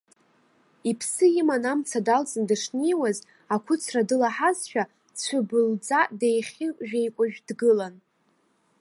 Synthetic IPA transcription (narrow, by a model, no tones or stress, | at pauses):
ipʰsɨimanamt͡sʰadalt͡sʼɨndɨʂnejwaz | akʷʰʊt͡sʰradɨlaħazʃᶣa | t͡sʷʰabɨld͡zʼadejχʲiʒᶣejkʷʼaʒᶣdɡɨlan